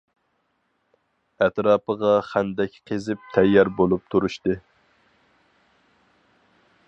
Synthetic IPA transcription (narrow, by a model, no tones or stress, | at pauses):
ɛt̪ɾɑːpəʁɑχænd̪ɛkʲqʰezɪp̚t̪ʰɛjːɑɾbolˠup̚t̪ʰuɾuʃt̪ɨ